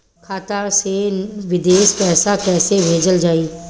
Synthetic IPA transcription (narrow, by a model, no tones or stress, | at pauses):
kʰaːt̪aseʋɪd̪eːʃpɛːsakɛːsebʱeːd͡ʒəld͡ʒaːiː